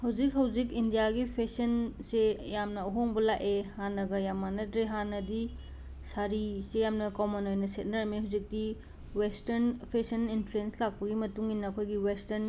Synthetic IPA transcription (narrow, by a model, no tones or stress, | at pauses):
hɐwd͡ʒik̚ɦɐwd͡ʒikindijaɡipʰesɐnsejamnɐɐɦoŋbɐlaʔehanɐɡɐjamanɐdɾeɦanɐdi | saɾisejamnɐkowmɐnojnɐset̚nɐɾɐmiɦawzik̚di | westɐɾnpʰesɐninpʰɾenslak̚pɐɡimɐtuŋinːɐːkʰojɡiwesteɾn